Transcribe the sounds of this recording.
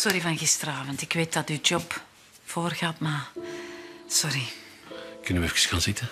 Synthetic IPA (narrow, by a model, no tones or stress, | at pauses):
sɔɾivɑnɣɪstərəaːvəntɪkʋeːt̚dɑtyd͡ʒɔp | foːrɣatmaː | sɔɾi | kɵnəʋɛfkə̥sxaːnzɪtə